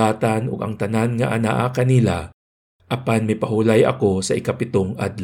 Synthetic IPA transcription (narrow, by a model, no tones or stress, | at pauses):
aːt̪ɐnoɡɐ̰ŋt̪ɐnanŋɐʔana̰ʔakɐnila | ʔɐpanmɐjpɐhulajɐ̰ko̞sɐʔɪkɐpɪt̪oŋʔa̰d̪l